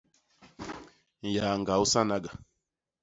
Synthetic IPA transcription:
ja˨ŋ˨ɡa˨u˦sa˦na˦ɡa˨

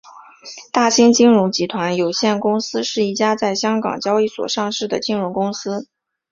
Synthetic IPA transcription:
t̪a˥˩ɕi˥ŋt͡ɕi˥ŋɻʊ˧˥ŋt͡ɕi˧˥t̪ʰwa˧˥njo˨˩ʊɕjɛ˥˩nkʊ˥ŋsɹ̩˥ʂɻ̩˥˩i˥˩t͡ɕja˥t͡sa˥˩ɪɕjɑ˥ŋkɑ̰˨˩ŋt͡ɕjɑ˥ʊi˥˩swɔ̰˨˩ʂɑ˥˧ŋʂɻ̩˥˩d̪ə̰˩t͡ɕi˥ŋɻʊ˧˥ŋkʊ˥ŋsɹ̩˥

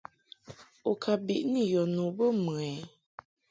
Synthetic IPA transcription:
o˨kʰa˨bi˨ʔnĩ˦˨jɔ˨nũ˨bə˦mə˨ɛ˨

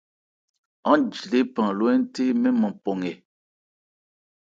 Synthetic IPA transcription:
ã˦d͡ʒle˦pã˨lwɛ˦n˦te˦mɛ˦mɔ̃˨pɔ˨ŋɛ˨

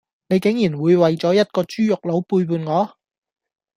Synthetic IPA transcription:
ne˨˧jkɪ˨˥ŋjiː˨˩nwuː˨˧jwɐ˨jt͡sɔː˨˥jɐ˥t̚kɔː˧t͡ʃyː˥jʊ˨k̚lo˨˥wpuː˧jpuː˧nŋɔː˨˧˥

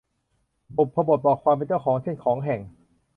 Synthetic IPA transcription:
po˨˩pʰːa˧bo˨˩t̪̚bɔː˨˩kʰwaː˧mp̬e˧nt͡ɕɔ˥˩wkʰɔː˩˦ŋt͡ɕʰe˥˩nkʰɔː˩˦ŋɦɛ˨˩ŋ

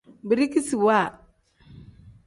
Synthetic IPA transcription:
bi˨ɾi˦ki˦si˨wa˦˨

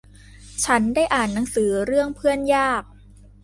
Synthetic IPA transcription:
t͡ɕʰa˦˥ndaː˥˩jʔaː˨˩nːa˩˦ŋsɯː˩˦ɾɯ˥˩əŋpʰɯ˥˩ənjaː˥˩k̚

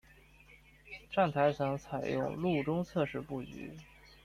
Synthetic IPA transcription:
ʈ͡ʂa˥˩nt̪ʰa˧˥ɪɕʰjɑ˧˥ŋt͡sʰa˨˩ɪjʊ̰˥˧ŋlu˥˩ʈ͡ʂʊ˥ŋt͡sʰɤ˥˧ʂɻ̩˥˧pu˥˩y̰˧˥

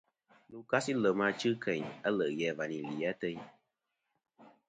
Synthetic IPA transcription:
nu˧ka˦si˦lə˨ma˧t͡ʃɨ˦kʰɛ˨ɲa˦lə˨jɛ˧va˨ni˨li˨a˦tə˧ɲ

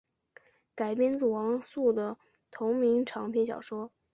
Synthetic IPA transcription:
ka˨˩ɪpjɛ˥nt͡s̩˨˩wɑ˧˥ŋsu˥˩d̪ə˩ | t̪ʰʊ˧˥ŋmi˧˥ŋʈ͡ʂʰɑ˧˥ŋpʰjɛ˥nɕjɑ̰˨˩ʊʂwɔ˥

